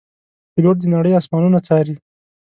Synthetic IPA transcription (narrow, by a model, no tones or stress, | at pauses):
pɪloʈ̚d̪ənaɽəjɑsmɑnunat͡sɑjɾi